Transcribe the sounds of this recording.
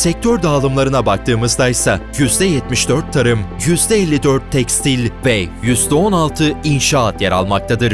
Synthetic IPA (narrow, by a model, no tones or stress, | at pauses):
sɛc̚t̪ʰøɾd̪aːlˠɯmlˠaɾɯnabak̚t̪ʰɯːmɯzd̪ajsajyzd̪ɛjɛt̪miʃd̪øɾt̪ʰːaɾɯmjyzd̪ɛɛlʲːid̪øɾt̪ʰːɛkst̪ilʲvɛjyzd̪ɛo̞nalˠt̪ʰɯinʃaat̪jeɾa̰lˠmak̚t̪ʰad̪ɯɾ